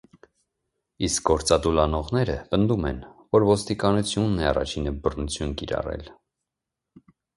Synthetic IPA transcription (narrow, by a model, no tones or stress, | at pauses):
isk̚ɡɔɾt͡sɑd̪ulɑnɔʁnɛɾəpənd̪umɛ̰nvɔɾvɔst̪ikɑnut͡sʰjunːɛɑrɑ̰t͡ʃʰinəbərnut͡sʰjunkiɾɑ̰rɛ̰l